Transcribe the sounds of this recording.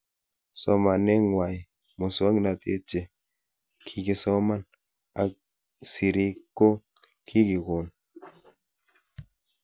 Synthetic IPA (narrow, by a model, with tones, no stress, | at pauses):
sɔ˦ma˨nɛ˦ŋwa˨j | mo˨swa˦ŋ˦na˨tḛ˦t͡ʃe˨ | kʰi˦kɪ˨sɔ˦ma˦n | a˨˦ | si˨ɾi˦ko˦ | kʰi˦kɪ˨ko˨n